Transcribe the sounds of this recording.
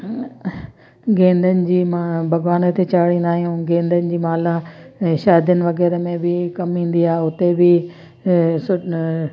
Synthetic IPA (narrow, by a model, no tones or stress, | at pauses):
ɡẽːnd̪ənɪ̆d͡ʑiːmabʱɐɡʋaːnət̪ʰet͡ɕaːɽĩnd̪aːɦijũɡẽːnd̪ənɪ̆d͡ʑiːmaːlaʃaːɪd̪ənɪ̆ʋɐɣɛːɾəmẽbɪkɐmɦĩːnd̪iaːeʊt̪ebɪ | sʊ